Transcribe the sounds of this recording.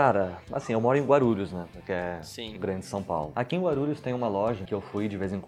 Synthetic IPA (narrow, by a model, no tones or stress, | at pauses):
kaɾɐa̰sĩewmɔɾʊẽɡwaɾuʎʊznɛpoɾkɪɛsĩɡɾɐ̃d͡ʒɪsɐ̃w̃pa̰wlʊakiẽɡwaɾuʎʊst̪ẽj̃ʊũmɐlɔʒɐkɪewfujd͡ʒɪvezẽk